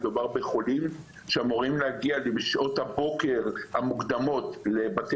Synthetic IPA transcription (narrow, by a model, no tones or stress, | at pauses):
dubaʁbe̞χolim | ʃeamoʁimlehaɡialebʃʔo̞t̪habo̞ke̞ʁhamukd̪amo̞t̪lebate